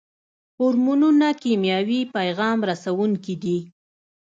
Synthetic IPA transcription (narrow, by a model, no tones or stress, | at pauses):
hʊɾmununakimjɑwipajɣɑmɾasawuŋkid̪i